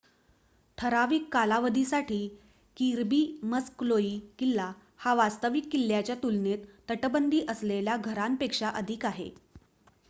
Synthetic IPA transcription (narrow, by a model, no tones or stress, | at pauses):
t̪ʰəɾaʋikːalaʋəd̪ʱisaʈʰiː | kiɾbiːməskloiːkilːa | haʋast̪əʋikːilːjat͡ɕjat̪ulnet̪ːəʈəbənd̪ʱiːʔəsleljaɡʱəɾampekʂaʔəd̪ʱikaɦḛ